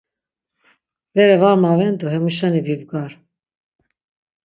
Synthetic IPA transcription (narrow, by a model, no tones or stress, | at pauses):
vɛɾɛvaɾmɑvɛnd̪uɦɛmuʃɑnibibɡaɾ